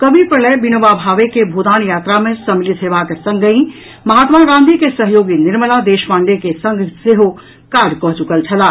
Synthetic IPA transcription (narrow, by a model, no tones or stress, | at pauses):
kəbʱipɾələbinəʋabʱaːʋekebʱod̪aːnjaːt̪ɾamẽsəmilit̪ɦeʋakesə̃ŋɡəĩ | mɐɦaːt̪maɡãːnd̪ʱikesəɦjoːɡinɪɾməlad̪eːʃmãːɳɖekesə̃ŋɡʱseɦo | kaːɾɖkɔɦt͡ʃukəlt͡ʃʰɐlaː